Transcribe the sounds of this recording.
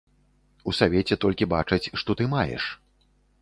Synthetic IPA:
usavʲɛt͡sʲɛt̪ɔlʲkʲibat͡ʂɐt͡sʲʂt̪ɔt̪ɨmajɛ̰ʂ

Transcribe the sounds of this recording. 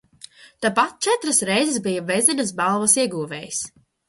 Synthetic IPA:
t̪aːpat̪̚t͡ʃɛt̪ɾasɾɛjzɛsbijavɛzinɐsbalˠvɐsiɛɡuːvɛ̰ːjis

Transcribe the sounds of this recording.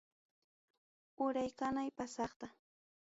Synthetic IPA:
ʊɾajkanajpasɑχt̪a

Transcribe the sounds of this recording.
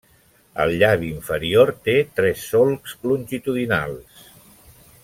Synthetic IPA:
ə̰lˠʎaβiɱfəɾioɾt̪et̪ɾɛsːolˠkslunʲʒit̪uðina̰lˠs

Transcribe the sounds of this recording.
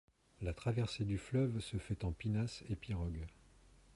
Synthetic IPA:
lat̪χavɛʁsed̪yflœvsəfɛt̪ɑ̃pinasepiʁɔɡ

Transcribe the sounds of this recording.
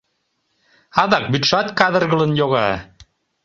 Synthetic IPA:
ɑðɑk̚byt̪ʃɑt̪kɑðə̆rɣə̆lənjoɣɑ̰

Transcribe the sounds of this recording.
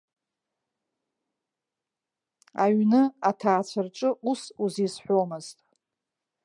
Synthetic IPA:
a̰ɥnɨatʰaːt͡sʷʰarʈ͡ʂʼɨʔusuzisħʷomɨztʼ

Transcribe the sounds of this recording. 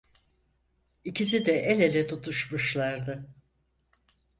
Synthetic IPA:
icʰisid̪ɛʔelelʲɛt̪ʰut̪ʰuʃmuʃlˠaɾd̪ɯ

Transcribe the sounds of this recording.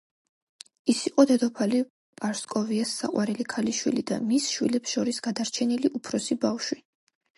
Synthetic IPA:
isiqʼɔd̪ɛd̪ɔpʰali | pʼaɾskʼɔviasːa̰qʼwaɾɛlikʰaliʃwilid̪a̰misʃwḭlɛpsʃɔɾisɡad̪aɾt͡ʃʰɛniliʔupʰɾɔsibafʃwi

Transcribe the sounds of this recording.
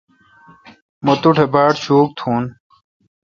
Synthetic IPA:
mɔt̪uʈʰebaʈt͡ɕuːk̚t̪ʰun

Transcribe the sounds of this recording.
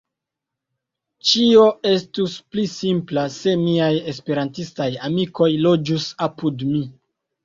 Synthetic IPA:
t͡ʃio̞e̞stusplisimplase̞miaje̞spe̞ɾantistajamiko̞jlo̞d͡ʒusapudmi

